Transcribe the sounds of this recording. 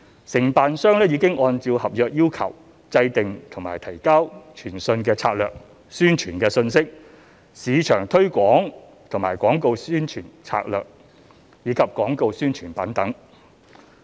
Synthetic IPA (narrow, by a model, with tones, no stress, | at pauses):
sɪ˨˩ŋpaː˨nsœː˥ŋlɛː˥jiː˨˧kɪ˥ŋʔɔː˧nt͡siː˧whɐ˨p̚jœː˨k̚jiː˥wkʰɐ˨˩w | t͡sɐ˧jt̪ɪ˨ŋt̪ʰŋma̰ː˨˩jt̪ʰɐ˨˩jka˥wt͡ʃʰyː˨˩nsɵ˧nkɛː˧t͡sʰa̰ː˧t̚lœː˨k̚ | syː˥nt͡ʃʰyː˨˩nkɛː˧sɵ˧nsɪ˥k̚ | siː˨˧t͡ʃʰœː˨˩ŋt̪ʰɵ˥ɥkʷɔː˨˥ŋ | t̪ʰŋmaː˨˩jkɔː˨˥ŋko˧wsyː˥nt͡ʃʰyː˨˩nt͡sʰa̰ː˧k̚lœ̰ː˨k̚ | jiː˨˧˥kʰɐ˨p̚kɔː˨˥ŋko˧wsyː˥nt͡ʃʰyː˨˩npɐ˨˥nt̪ɐ˨˥ŋ